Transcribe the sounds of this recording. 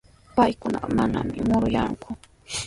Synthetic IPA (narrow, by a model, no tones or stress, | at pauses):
pajkʊnɑqɑmanamɪmʊɾʊjaŋkʊ